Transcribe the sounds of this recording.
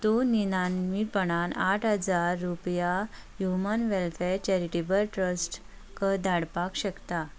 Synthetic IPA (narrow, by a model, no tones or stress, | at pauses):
t̪uninanmipəɳ̃anaʈʰɦəd͡zaɾːupjahjumənʋɛlfɛɾt͡ɕɛɾiʈibəɾʈɾəsʈ | kəd̪aɽpakɕəkt̪a